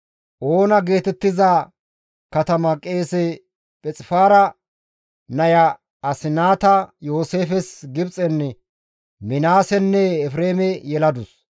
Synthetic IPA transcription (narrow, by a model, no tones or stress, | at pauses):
ʔo̞ːnɐɡe̞ːt̪ɛt̪ːɪza | kɐt̪ɐmɐkʼːe̞ːsɛ | pʼɛt͡sʼɪfaːɾɐ | nɐjɐ | ɐsɪnaːt̪ɐjo̞ːse̞ːfɛsɡɪbt͡sʼɛnːɛ | mɪnaːsɛnːɛːfɾe̞ːmɛjɛlɐd̪ʊs